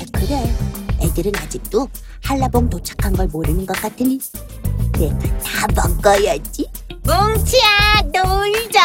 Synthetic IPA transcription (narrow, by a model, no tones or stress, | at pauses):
ekɯɾejedɯɾɯnad͡ʑik̚t͈o | haɭːaboŋtot͡ɕʰḁkʰanɡʌɭmoɾɯnɯnɡʌk͈atʰɯni | ne̞tabʌk͈ʌjʌt͡ɕ͈i | moŋt͡ɕʰianoɭd͡ʑa